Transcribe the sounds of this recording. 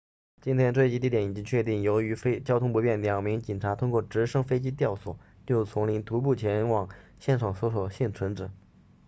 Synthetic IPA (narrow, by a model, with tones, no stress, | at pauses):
t͡ɕi˥nt̪ʰjɛ˥nt͡swe˥˧ɪt͡ɕi˧˥i˥˩jɛ˧˥ni˨˩t͡ɕi˥ŋt͡ɕʰɥɛ˥˧t̪i˥˩ŋjo˧˥ʊy˧˥fe˥ɪt͡ɕjɑ˥ʊt̪ʰʊ˥ŋpu˧˥pjɛ˥˩nljɑ˨˩ŋmi˧˥ŋt͡ɕi˨˩nʈ͡ʂʰa˧˥t̪ʰʊ˥ŋkwɔ˥˩ʈ͡ʂɻ̩˧˥ʂɤ˥ŋfe˥ɪt͡ɕi˥t̪̬jɑ˥˩ʊswɔ˨˩˦ | t͡ɕjo˥˩ʊt͡sʰʊ˧˥ŋli˧˥nt̪u˧˥p̬u˥˩t͡ɕʰjɛ˧˥nwɑ˨˩ŋɕjɛ˥˧nʂʰɑ˨˩ŋswɔ˧˥swɔ˨˩ʊɕi˥˩nt͡sʰwə˧˥nʈ͡ʂɻ̩˨˩˦